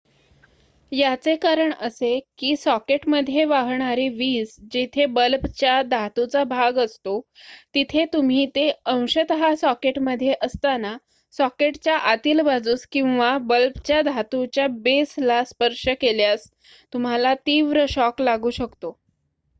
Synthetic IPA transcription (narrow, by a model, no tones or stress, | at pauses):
jat͡sekaɾəɳəsekiːsɔkeʈməd̪ʱːjeʋaɦɳaɾiʋiːsd͡ʑet̪ʰebəlpt͡ɕjad̪ʱat̪ut͡sabʱaɡəst̪ot̪it̪ʰet̪um̤iːt̪eə̃w̃ɕət̪ɦasɔkeʈməd̪ʱːjeʔəst̪ana | sɔkeʈt͡ɕjaʔat̪iːlbad͡zuːskĩw̃ʋabəlpt͡ɕjad̪ʱat̪ut͡ɕjabeslaspəɾʂəkeljas | t̪um̤alat̪iʋɾəɕɔklaɡuːɕəkt̪o